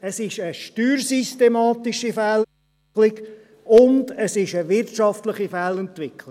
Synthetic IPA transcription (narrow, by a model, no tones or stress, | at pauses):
əsɪʃəʃtyːɾsistemɑːt̪iʃifæl | lɪɡ | ʊndəsɪʃəʋɪɾtʃɑftləχifælɛnt̪ʋɪkʰl